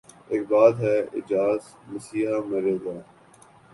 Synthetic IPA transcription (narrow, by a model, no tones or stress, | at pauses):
eːk̚baːd̪ɦɛɪ̰d͡ʒaːz | məsiːɦamɐɾeːɡ̪aː